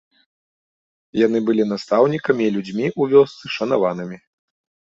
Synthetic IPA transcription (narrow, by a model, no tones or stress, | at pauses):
janɨbɨlʲin̪ast̪awnʲikɐmʲiːlʲud͡zʲmʲiʔuvʲɔst̪sɨʂɐn̪avan̪ɨmʲi